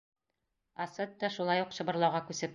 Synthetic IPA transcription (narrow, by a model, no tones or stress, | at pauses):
ɒsɤt̪̚d̪ɒʃulˠɑjuqɕɤ̆bɤ̆ɾlˠɑwʁɑkʉsɘp̚